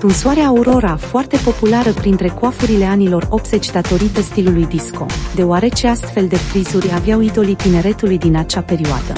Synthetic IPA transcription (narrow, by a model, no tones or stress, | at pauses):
t̪unsuaɾeaːuɾo̞ɾafoart̪e̞po̞pulaɾəpɾint̪ɾe̞koafuɾile̞anilo̞ro̞p̚t̪z̥e̞t͡ʃd̪at̪o̞ɾit̪əst̪ilulujd̪isko̞̰d̪e̞oaɾe̞t͡ʃe̞ast̪fe̞ld̪e̞pɾizuɾʲavjauit̪o̞lit̪ine̞ɾe̞t̪ulujd̪inat͡ʃape̞ɾioa̰d̪ə̰